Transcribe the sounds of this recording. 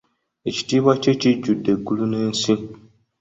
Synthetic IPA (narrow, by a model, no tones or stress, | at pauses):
eci̥tiβwat͡ʃet͡ʃiɟudːe̞ɡːulunensi